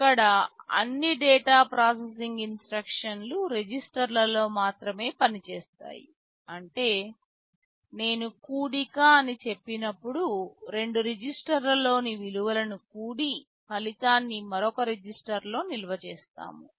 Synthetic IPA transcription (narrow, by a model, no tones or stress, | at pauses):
kːɐɽɐɐ̰nːiɖɛːʈaːpɾaːs̬es̬iŋɡinsʈɾɐkʂɐnluɾed͡ʒisʈɐɾlɐlo̞ːmaːt̪ɾɐme̞ːpɐnit͡ʃeːst̪a̰ːjḭ | ɐɳʈe̞ː | ne̞ːnukuːɽikaːɐnit͡ʃe̞pːinɐpːuɽuɾe̞ɳɖuɾed͡ʒisʈɐɾlɐlo̞ːniʋiluʋɐlɐnukuːɽi | pɐlit̪aːnːimɐɾɔkɐɾed͡ʒisʈɐɾlo̞ːnilɐʋɐt͡ʃɛːst̪a̰ːmu